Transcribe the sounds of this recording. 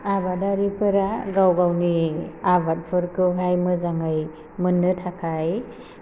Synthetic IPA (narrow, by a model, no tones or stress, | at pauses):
abadaɾipʰɯɾaɡawɡawniabat̚pʰɯɾkʰɯwɦajmɯzaŋɯj | mɯnːɯtʰakʰaj